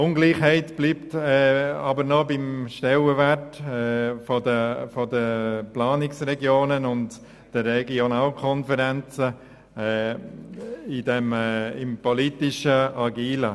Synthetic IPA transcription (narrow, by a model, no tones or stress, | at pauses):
ʊŋɡliːχhɛɪtb̥liːptɛɑbəɾnɔbɪmʃtɛləvɛtɛfɔdəfɔdəplɑːnɪksrɛɡjoːnənʊnt | d̥əɾɛɡionaːlkʰɔnfəɾɛnt͡sə | idɛmɪmpɔlitɪʃəɑɡiːlə